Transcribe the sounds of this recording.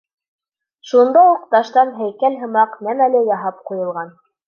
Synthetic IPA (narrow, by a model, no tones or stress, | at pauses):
ʃund̪ɑuqt̪ɑʃt̪ɑnɦæjkælɦɤ̆mɑqnæmælɘjɑɦɑp̚qujɤ̆lˠʁɑn